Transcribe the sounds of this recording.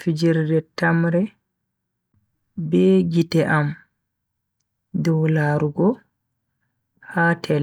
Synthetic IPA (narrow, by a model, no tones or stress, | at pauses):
fid͡ʒiɾdɛtamɾɛ | bɛɡitɛʔam | dɔwlaːɾuɡɔ | haːtʰɛl